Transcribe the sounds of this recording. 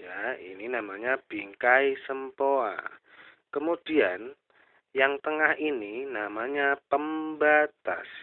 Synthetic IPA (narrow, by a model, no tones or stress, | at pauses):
jaḭninamaɲab̥iŋkaisəmpoa̰ | kəmud̥ian | jaŋt̪əŋahininamaɲapəmbat̪a̰s